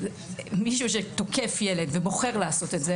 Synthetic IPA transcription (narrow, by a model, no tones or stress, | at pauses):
miʃuʃ̬et̪o̞kefjele̞dvebo̞χe̞ʁlaaso̞tetze